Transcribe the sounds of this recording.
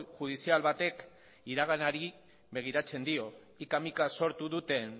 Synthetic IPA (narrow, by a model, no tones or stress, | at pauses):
ʝuð̞isialβat̪e̞k | iɾaɣ̞anaɾi | βe̞ɣ̞iɾat͡se̞nd̪io̞ | ikamikaso̞ɾt̪uðut̪e̞n